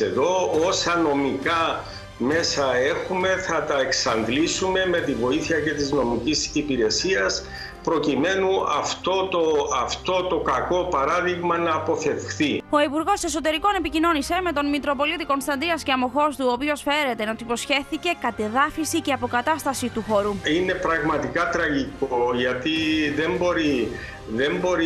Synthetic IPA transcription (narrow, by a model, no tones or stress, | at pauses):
eðo̞osɐno̞mikɐ | me̞sɐe̞xume̞θɐt̪ɐeksɐnðlisume̞me̞t̪ivo̞iθiɐce̞t̪izno̞micisipiɾe̞siɐs | pɾo̞cime̞nuɐ̰ft̪o̞t̪oɐft̪o̞t̪o̞kɐko̞pɐɾɐðiɣmɐnɐːpo̞θe̞fxθio̞ipuɾɣo̞se̞so̞t̪e̞ɾiko̞ne̞picino̞nise̞me̞t̪o̞nmit̪ɾo̞po̞lit̪iko̞nst̪ɐnd̪ɾiɐsceɐmo̞xo̞st̪uopio̞sfe̞ɾe̞t̪eot̪ipo̞sçe̞θice̞kɐt̪eðɐfisiceɐpo̞kɐt̪ɐst̪ɐsit̪uxo̞ɾuine̞pɾɐɣmɐt̪ikɐt̪ɾɐʝikoʝɐt̪iðe̞mbo̞ɾi | ðe̞mbo̞ɾi